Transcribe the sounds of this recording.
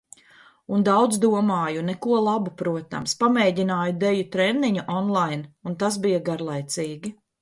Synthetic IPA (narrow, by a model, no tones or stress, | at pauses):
und̪awd̪zd̪uɔmaːjunɛkuɔlˠabupɾuɔt̪a̰mspamɛːɟʲinaːjud̪ɛjut̪ɾɛnːiɲuʔɔnlˠajnunt̪asbijaɡaɾlˠajt̪siːɡʲi